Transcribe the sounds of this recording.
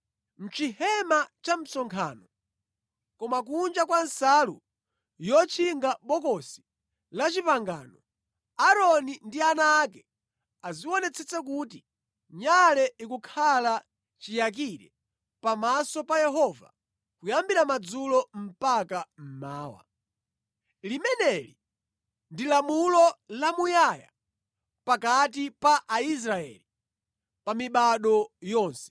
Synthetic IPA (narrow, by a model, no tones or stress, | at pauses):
m̩t͡ʃihɛmat͡ʃam̩sɔŋkʰa̰ːnɔ | kɔmak̬und͡ʒakwansalṵ | jɔt͡ʃʰiŋɡaɓɔkɔsi̥ | lat͡ʃipaŋɡa̰ːnɔ | aɾɔnindianaːkɛ | aziwɔnɛt͡sʰɛt͡sɛk̬uti | ɲalɛikukʰala | t͡ʃijak̬iɾɛ̰ | pamasɔpajɛɦɔva̰ | kujambiɾamad͡zulɔm̩pakam̩maːwa̰ | limɛnɛli | ndilamulɔlamujaja̰ | pakatipaʔais̬ɾaɛ̰li | pamiɓaɗɔjɔːnsɛ̥